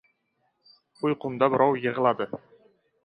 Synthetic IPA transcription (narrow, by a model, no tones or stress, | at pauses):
ʊjqʰʊnd̪abɪɾɒwjɨʁlˠad̪ɪ